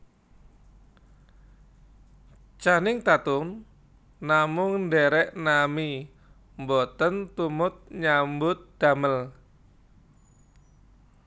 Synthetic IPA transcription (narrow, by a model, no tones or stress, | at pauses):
t͡ʃanɪŋt̪at̪ʊm | namʊŋɳdɛɾɛʔnami | mbɔt̪ənt̪umʊt̪̚ɲambʊt̪̚d̪̥aməl